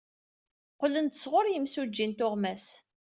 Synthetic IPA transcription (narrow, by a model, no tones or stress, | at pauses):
qlənt̪ə̥sʁʊɾjəmsud͡ʒːint̪ʊʁmæs